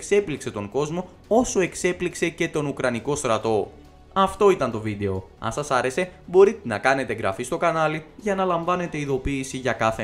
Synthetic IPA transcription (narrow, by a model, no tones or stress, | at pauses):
kse̞plikse̞t̪o̞ŋɡo̞zmo̞ | o̞so̞e̞kse̞plikse̞ce̞t̪o̞nukɾɐniko̞st̪ɾɐt̪o̞ | ɐft̪o̞it̪ɐnt̪o̞vid̪e̞o̞ɐ̰nsɐsɐɾe̞se̞bo̞ɾit̪enɐkɐne̞t̪e̞ɡɾɐ̰fist̪o̞kɐnɐliʝɐnɐlɐɱvɐne̞t̪e̞iðo̞piːsiʝɐkɐθe